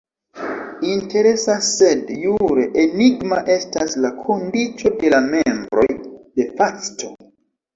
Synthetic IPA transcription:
inte̞ɾe̞sassːe̞djuɾeʔeniɡmaʔe̞staslakʰo̞ndit͡so̞de̞lamembɾo̞̰jde̞fastʰo̞

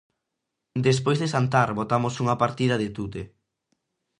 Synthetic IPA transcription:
d̪es̬pojzðesant̪aɾβot̪amosuŋɐpaɾt̪ið̞ɐðet̪ut̪e

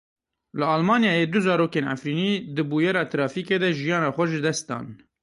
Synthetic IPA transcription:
lɨɑːlmɑːnjɑːjed̪ʊzɑːɾoːkeːna̰fɾiːniːd̪ɨbuːjɛɾɑːt̪ɾɑːfiːkeːd̪ɛʒijɑːnɑːxʷɛʒɨd̪ɛst̪̚d̪ɑ̰ːn

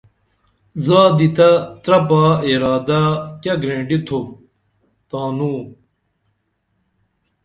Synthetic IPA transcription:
zaːd̪it̪ɐt̪ɾɐpaːiɾaːd̪akɐɡɾẽːɳɖit̪ʰo | t̪aːnuː

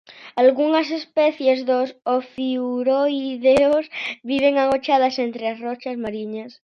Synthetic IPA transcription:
alɣuŋas̬e̞speθje̞zðosofiuɾoiðeosβiβ̞e̞ŋaŋot͡ʃaðasent̪ɾeasrot͡ʃazmaɾiɲas

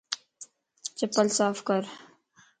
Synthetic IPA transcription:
t͡ʃɐpːəlsaːfkəɾ

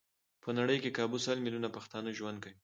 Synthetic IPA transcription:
pʰənaɽəjkekɑbusəlmilunapaxt̪ɑnəʒwand̪̚kawi

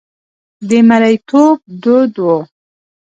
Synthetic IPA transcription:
d̪əmalajt̪ʰob̚d̪od̪wo

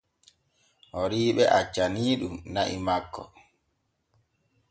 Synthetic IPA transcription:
ʔɔɾiːɓɛʔat͡ʃːaniːɗumnaʔḭmakːɔ

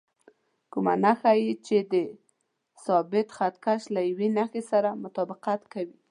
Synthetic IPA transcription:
kuma̰naxajit͡ʃed̪ə | sɑbɪt̪xat̪kaʃlajwenaxesaɾamʊt̪ɑbɪqat̪kawi

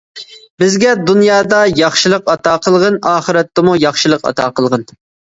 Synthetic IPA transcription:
bɪzɡʲɛd̪unjɑːd̪ɑjɑχʃilˠəqɑt̪ɑːqəlˠʁɨnɑːχɨɾɛt̪ːɪmujɑχʃɨlˠəqɑ̰t̪ʰɑːqəlˠʁɨn

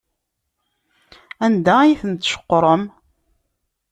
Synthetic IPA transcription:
ænd̪æjθənt̪ʃə̥qːɾˤəm

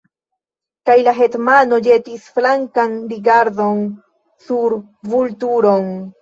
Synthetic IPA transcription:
kajlaɦe̞tmano̞d͡ʒe̞tisflaŋkanɾiɡaɾdon | suɾ | vultuɾon

